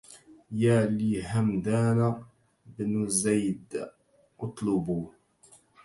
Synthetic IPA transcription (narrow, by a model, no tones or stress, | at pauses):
jaːliːɦamd̪aːna | bnzajd̪ | ʔʊt̪ˤlʊbuː